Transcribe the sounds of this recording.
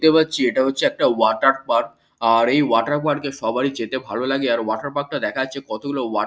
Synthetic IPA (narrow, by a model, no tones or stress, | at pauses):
t̪epatːɕʰieʈaɦotːɕʰeɛk̚ʈawaʈaɾ̚maɽ | aɾejwaʈaɾmaɾɖkeʃɔbaɾid͡ʑet̪ebʱalolaɡeaɾwaʈaɾpak̚ʈad̪ɛkʰaat͡ɕːɕʰekɔt̪oɡulowa